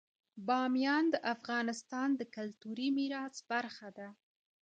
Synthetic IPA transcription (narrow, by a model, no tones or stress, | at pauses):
bɑmjɑnd̪əʔafɣɑnɪst̪ɑnd̪əkalt̪uɾimiɾɑsb̥aɾxad̪a